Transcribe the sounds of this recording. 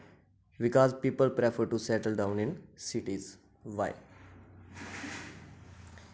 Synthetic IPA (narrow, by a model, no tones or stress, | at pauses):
ʋikɔːzpiːpəlpɾɛfəɾʈusɛʈəlɖãʊ̃nĩnsiʈiz | ʋaɪ